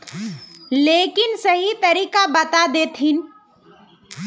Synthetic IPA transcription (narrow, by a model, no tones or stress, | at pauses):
leːkɪnsɐɦit̪ɐɾiːkabɐt̪ad̪eːt̪ʰɦɪn